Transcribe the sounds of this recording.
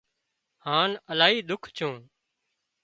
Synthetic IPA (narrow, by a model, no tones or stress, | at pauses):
haːnəlaːɦiːd̪ʊkʰt͡ʃʰũː